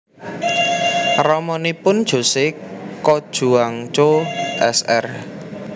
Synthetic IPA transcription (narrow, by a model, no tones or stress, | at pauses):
rɔmɔnipʊnd̥ʒ̥o̤sɪkɔd̥ʒ̥ṳaŋt͡ʃoʔɛsɛ̰r